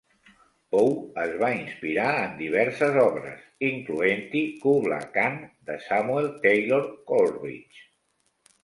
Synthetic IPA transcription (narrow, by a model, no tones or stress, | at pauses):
powəzβainspiɾaənd̪iβ̞ɛɾsəzɔβɾə̰siŋkluent̪ikuβla̰kand̪əsamuelˠt̪ejloɾkolrḭt͡ʃ